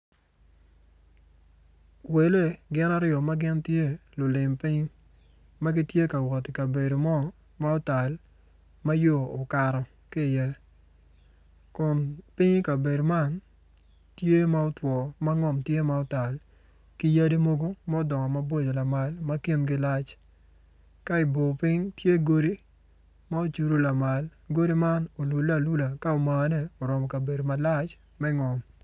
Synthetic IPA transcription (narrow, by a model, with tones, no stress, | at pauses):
we˨le˦ɡɪ˦na˦ɾɪɔ˨ma˦ɡɪ˦ntje˦lʊ˨lɪ˨mpɪ˦ŋ | ma˦ɡɪ˦tje˦ka˨wɔ˨tɪ˨ka˨be˨do˨mɔ˦ | ma˦ʊ˦ta˨l | ma˦joː˦˨ka˨ɾɔ˨ | kɪ˦˨jɛ˦ | kʊ˨npɪ˦ŋka˨be˨do˨ma˦˨n | tje˦ma˦ɔ˦twɔ˨ma˦ŋɔ˨mtje˦ma˦ɔ˦ta˨l | ki˦ja˦di˦mo˦ɡo˦mɛ˦dɔ˨ŋɔ˨ma˦bo˦d͡ʒo˨la˨ma˨lma˦ki˦nɡɪ˦la˦t͡ʃ | ka˦ɪ˨bo˨pɪ˦ɲtje˦ɡo˦ɾi˦ | ma˦o˨t͡ʃu˨ɾo˦la˨ma˨lɡo˦ɾi˦ma˦no˨lu˨lːa˨lu˦la˨ka˦o˨ma˨nɛ˦o˨ɾɔ˨mɔ˨ka˨be˨do˨ma˨la˦t͡ʃ | mɛ˦ŋɔ˨m